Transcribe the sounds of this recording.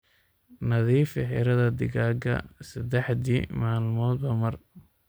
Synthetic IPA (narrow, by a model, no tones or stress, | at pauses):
nɐðiːfɛɦɪ̰ɾɐðɐd̪ɪɣaːɡɐ̰sɐd̪ɛħd̪ḭmaːlmɔːd̪̚bɐmɐr